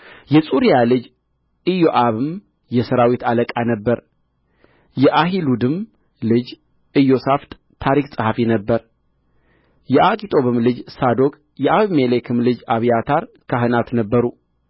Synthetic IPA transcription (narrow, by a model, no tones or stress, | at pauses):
jɛsʼuɾijalɨd͡ʒ | ɨjoʔaβɨm | jɛsəɾawit̪aləkʼanəbːəɾ | jɛʔaɦilud̪ɨm | lɨd͡ʒ | ʔɨjo̞saft̪ʼ | t̪ʰaɾiksʼɨhafinəbːəɾ | jɛʔakʼit̪ʼo̞βɨmlɨd͡ʒsad̪o̞kʼ | jɛʔaβmelekʰɨmlɨd͡ʒaβijat̪ʰaɾ | kʰaɦɨnat̪nəbːəɾu